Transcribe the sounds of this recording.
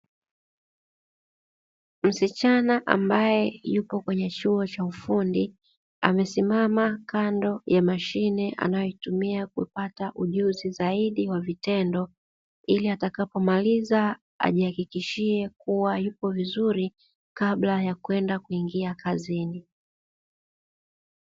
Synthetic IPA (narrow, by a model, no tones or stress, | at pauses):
m̩sit͡ʃanaʔa̰mbajɛjupɔkwɛɲɛt͡ʃuɔt͡ʃaufundi | a̰mɛsimamakʰandɔjamaʃinɛʔa̰najɔitumiakuipataʔuʄuzizaiɗiwavitɛndɔ | iliatakapɔmaliza | a̰ʄihakikiʃiɛkuwajupɔvizuɾi | kablajakwɛndakuiŋɡiakazini